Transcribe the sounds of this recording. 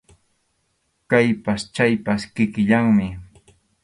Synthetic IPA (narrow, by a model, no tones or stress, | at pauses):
kajpast͡ʃajpaskɪkɪʎaŋmɪ